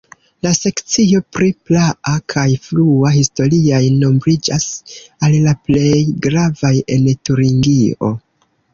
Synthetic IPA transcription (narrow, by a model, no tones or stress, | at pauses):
lase̞kt͡sio̞pɾiplaʔakʰajfluahisto̞ɾiajno̞mbɾid͡ʒasallaple̞jɡɾavaje̞ntuɾiŋɡio̞̰